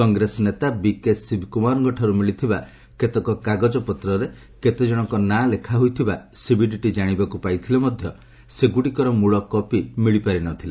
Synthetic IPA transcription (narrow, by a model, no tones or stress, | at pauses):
kɔŋɡɾesɔnet̪abikesibʱkumaɾɡɔʈʰaɾumiɭit̪ʰiba | ket̪ɔkɔkaɡɔd͡ʒɔpɔt̪ɾɔɾe | ket̪ed͡ʒɔɽ̃ɔŋkɔnalekʰaɦujt̪ʰibasibiɖiʈid͡ʒaɽ̃ibakupajt̪ʰilemɔd̪ʱjɔ | seɡuɽikɔɾɔmuɭɔkɔpimiɭipaɾinɔt̪ʰile